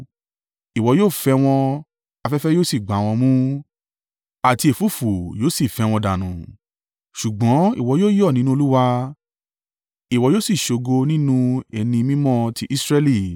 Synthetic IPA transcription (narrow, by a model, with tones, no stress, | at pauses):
i˨wɔ˨˧joː˦˨fɛ˧w̃ɔ̃˧ | a˧fɛ˦fɛ˦jo˦˨si˦˨ɡ͡ba˨˦w̃ɔ̃˧mũ˦ | a˨ti˧e˨fu˦˨fu˨joː˦˨si˦˨fɛ˧w̃ɔ̃˧da˨nũ˨ | ʃu˨ɡ͡bɔ̃˨˦ḭ˦˨wɔ˨˧˦joː˦jɔ˦˨nĩ˨˦nũ˦o˧˦u˦wa˦ | i˨wɔ˨˧joː˦˨si˦˨ʃo˨˧ɡo˧nĩ˦nũ˦ɛ˧nĩ˧mĩ˦mɔ̃˦˨tʰi˧ʔi˦sɾɛ˦li˦˨